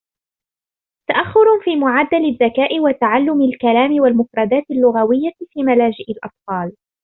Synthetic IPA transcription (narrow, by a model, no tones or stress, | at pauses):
t̪aʔaxːʊɾfiːmʊʕad̪ːalɪðːakaːʔɪwat̪aʕalːʊmɪlkalaːmɪwalmʊfɾˤɑd̪aːt̪ɪlːʊɣawɪjːafiːmalaːd͡ʒɪʔɪlʔɑ̰t̪ˤfɑːl